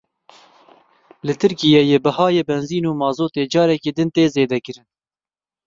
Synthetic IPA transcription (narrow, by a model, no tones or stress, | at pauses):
lɨt̪ʰɨɾkijeːjeːbɪɦɑːjeːbɛnziːnuːmɑːzoːt̪eːd͡ʒɑːɾɛkiːd̪ɨnt̪eːzeːd̪ɛkɨɾɨn